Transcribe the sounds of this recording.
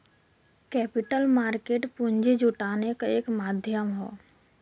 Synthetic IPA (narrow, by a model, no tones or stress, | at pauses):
kɛːpɪʈəlmaːɾkeːʈpuɲd͡ʒed͡ʒʊʈaːnekaeːkmaːd̪ʱjəmɦo̰ː